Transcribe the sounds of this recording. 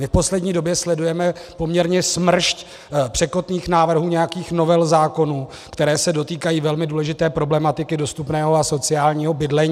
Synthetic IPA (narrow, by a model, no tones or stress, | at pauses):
mɪfpo̞slɛdɲiːdo̞bjɛslɛdujɛmɛpo̞mɲɛɾɲɛsmr̩ʃc | pr̝̥ɛko̞t̪niːxnaːvr̩ɦuːɲɛjakiːxno̞vɛlzaːko̞nu | kt̪ɛɾɛːsɛdo̞t̪iːkajiːvɛlmɪduːlɛʒɪt̪ɛːpɾo̞blɛmat̪ɪkɪdo̞st̪upnɛːɦoaso̞t͡sɪjaːlɲiːɦo̞bɪdlɛɲː